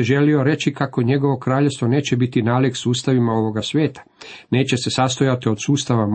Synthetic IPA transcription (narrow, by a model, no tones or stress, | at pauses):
ʒe̞lio̞ɾe̞t͡ɕikako̞ɲe̞ɡo̞ʋo̞kɾaːʎest̪ʋo̞ne̞ːt͡ɕe̞bit̪inaːliksuːst̪aʋimao̞ʋo̞ɡasʋje̞ːt̪ḁ | ne̞ːt͡ɕe̞se̞sast̪o̞jat̪io̞d̪̥suːst̪aʋam